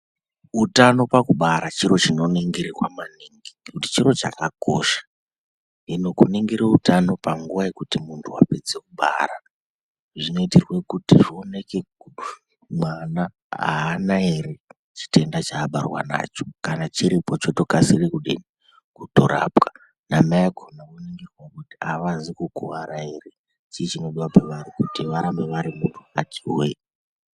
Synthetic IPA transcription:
utano̞pakuɓaɾat͡ʃiɾo̞t͡ʃino̞neŋɡiɾirwa̰maniŋɡikuti̥t͡ʃiɾo̞t͡ʃa̰kako̞̰ʃḁ | ino̞kuniŋɡiɾeutano̞paŋɡuʋaje̞kutimuntʰuwa̰pe̞d͡ze̞kuɓa̰ɾa | ʐino̞itirwekutiʐio̞ne̞keu | mwana | a̰ːnae̞ɾe̞ | t͡ʃi̥tʰe̞ndat͡ʃaːɓarwa̰na̰t͡ʃo̞̥kanat͡ʃiɾipot͡ʃo̞to̞kasirikuɗḛni | kutoɾa̰ːpka | namaekʰonakoniŋɡirwakutiaʋazikukuʋaɾae̞re̞ | t͡ʃiːt͡ʃino̞ɗiwapaʋaɾikutiʋaɾambe̞ʋaɾimuntʰuatʰiwḛ

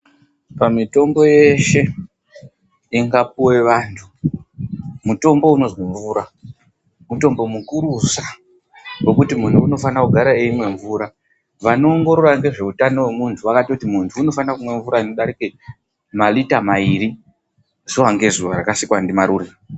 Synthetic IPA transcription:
pamito̞mbo̞je̞ʃe̞ | iŋɡap̚uwe̞ʋaːntʰu | muto̞mbo̞uno̞zwoɱvuːɾa | muto̞mbo̞mukuɾusa | wo̞kutimun̤tʰuːno̞fanakuɡʱaɾaeimwe̞ɱvuːɾa | ʋano̞ːŋɡo̞ɾo̞raŋɡe̞ʐe̞utano̞we̞muntʰuʋakatiutimuntʰuːno̞fanakumwe̞ɱvuɾaino̞ɗaɾike | malitamaiɾi | zuwaŋɡe̞zuʋaɾakasikwandimaɾuːre

